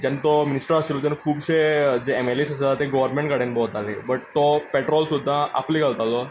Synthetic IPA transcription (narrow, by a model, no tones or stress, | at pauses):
d͡ʒɐnt̪omɪnɪsʈəɾasilot̪̬enkʰuːbsed͡ʒeɛmelesəs̬at̪eɡɔʋəɾnmẽɳʈkaɽẽnbɔːt̪alḛbɐʈ̚t̪opeʈɾɔːlsud̪ʱːãa̰pliɡalt̪alo